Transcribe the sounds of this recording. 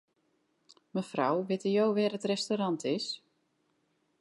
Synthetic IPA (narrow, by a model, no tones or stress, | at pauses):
məfrawʋɪtəjowʋɪːrətrɛstoɾɑntʰɪs